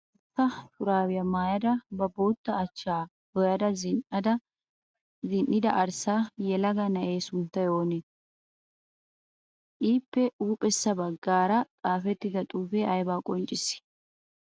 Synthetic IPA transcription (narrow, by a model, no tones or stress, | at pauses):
ʊt̪ːɐt̪ʊɾaːwɪjɐmaːjɐd̪ɐbɐbo̞ːt̪ːɐːt͡ʃːaː | hɔjɐd̪ɐzɪnɐd̪ɐ | zɪnːɪd̪ɐʔɐɾsaːjɛlɐɡɐnɐʔeːsʊnt̪ːɐjo̞ːnɛ | ʔiːpːɛuːpʼɛsːɐbɐɡːaːɾɐt̪ʼaːfɛt̪ːɪd̪ɐt̪ʼuːfeːɐjbaːkʼɔnt͡ʃʼːɪsɪ̥